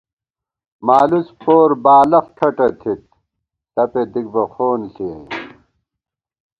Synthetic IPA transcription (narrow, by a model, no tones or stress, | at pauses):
maːluspʰoːɾbaːlɐfʈʰɐʈɐt̪ʰit̪̚ | t̪ɐped̪iɡ̚bɐxoːnɬi